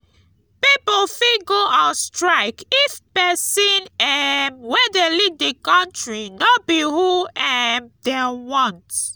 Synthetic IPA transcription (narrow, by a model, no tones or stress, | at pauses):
pipolfiɡoʔastɹaɪkifpɛsĩnɛmwɛdelivdekãntɹinobihuɛmdewɔ̃nt